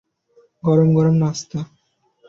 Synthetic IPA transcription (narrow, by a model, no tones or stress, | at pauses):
ɡɔɾomɡɔɾomnast̪a